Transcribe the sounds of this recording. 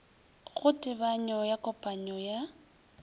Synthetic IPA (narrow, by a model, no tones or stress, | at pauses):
ɣʊtʼɪbaɲɔjakʼɔpʼaɲɔja